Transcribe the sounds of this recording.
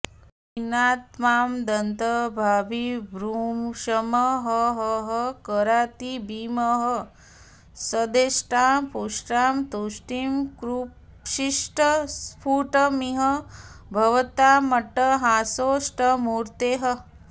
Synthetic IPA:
inaːt̪maːmd̪ɐnt̪ɐbʱaːbʱibɾuːmʃɐmɐɦəɦəɦəkəɾaːt̪ibiːmɐɦɐ | səd̪eːʃʈaːmpuʂʈaːmt̪uʃʈimkɾu | ʃiʂʈɐspʰuːʈɐmiɦɐbʱɐʋɐt̪aːmɐʈɐɦaːsoːʂʈɐmuːɾt̪eːɦɐ

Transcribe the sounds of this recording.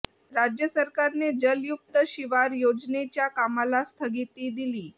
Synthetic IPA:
ɾad͡ʑjəsəɾkaɾned͡ʑəljuk̚t̪əʃiʋaɾjod͡ʑnet͡ɕjakamalast̪ʰəɡit̪id̪iliː

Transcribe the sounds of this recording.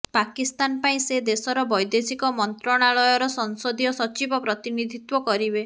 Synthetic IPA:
pakist̪anpaĩsed̪esɔɾɔbɔjd̪esikɔmɔnt̪ɾɔɽ̃aɭɔjɔɾɔsɔŋsod̪ijɔsɔt͡ʃibɔpɾɔt̪inid̪ʱit̪wɔkɔɾibe

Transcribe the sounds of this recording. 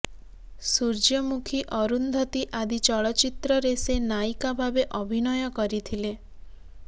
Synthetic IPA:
suɾd͡ʒjɔmukʰiʔɔɾund̪ʱɔt̪iʔad̪it͡ʃɔɭɔt͡ʃit̪ɾɔɾesenajkabʱabeʔɔbʱinɔjɔkɔɾit̪ʰile

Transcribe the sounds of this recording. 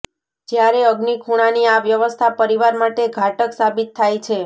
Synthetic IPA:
d͡ʒjaɾeəɡnikʰuɽ̃aniaʋjəʋəst̪ʰapəɾiʋaɾmaʈeɡʱaʈəksabit̪ʰːajt͡ʃʰe

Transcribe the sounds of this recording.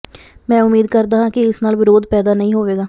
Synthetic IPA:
mɛ̃ːʊmiːd̪kəɾd̪aːɦãːkɪɪsnaːlʋɪɾoːd̪pɛːd̪aːnəĩːɦoːʋeːɡaː

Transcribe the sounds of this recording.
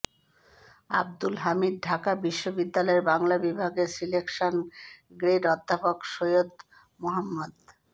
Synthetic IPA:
a̰b̚d̪ulɦamid̪̚ɖʱakabiʃːobid̪ːalɔeɾbaŋlabibʱaɡeɾsilekʃonɡɾeɖɔd̪ʱːapokʃojod̪ | moɦamːad̪

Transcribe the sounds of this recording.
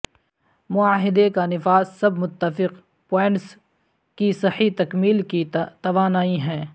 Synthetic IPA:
mʊaːɦɪd̪ekanɪfaːssɐbʱmʊt̪ːəfɪq | pɔːɪ̃ɳʈs | kisɐhit̪ɐkmiːlkit̪ɐʋaːnaːiɦɛ̃ː

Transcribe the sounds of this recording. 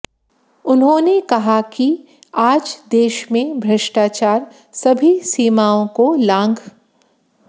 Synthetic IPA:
ʊnɦõnekɐɦaki | aːd͡ʒd̪eːʃmẽbʱɾɐʃʈaːt͡ʃaːɾ | sɐbʱisiːmaːõkolãːŋɡ

